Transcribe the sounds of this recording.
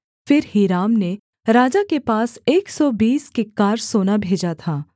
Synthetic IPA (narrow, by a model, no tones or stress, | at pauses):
fɪɾhiːɾaːmne | ɾaːd͡ʒakepaːseːksɔbiːskekːaːɾsoːnabʱeːd͡ʒat̪ʰaː